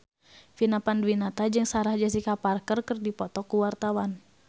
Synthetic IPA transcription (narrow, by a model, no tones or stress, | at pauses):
finapandwinat̪ad͡ʒɨŋsaɾahd͡ʒas̬ikaparkərkərdipɔt̪ɔkuwart̪awan